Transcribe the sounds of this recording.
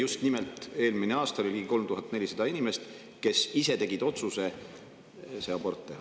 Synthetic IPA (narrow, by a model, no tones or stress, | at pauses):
just̪nimelt̪ˑe̞ːlmineɑːst̪ɑlolʲiɡiko̞lmt̪uɦɑt̪ːne̞lʲisɑd̪̥ɑinimest̪ | ke̞sise̞t̪e̞ɡ̥id̪o̞t̪suse̞ | seɑbo̞rt̪ːˑe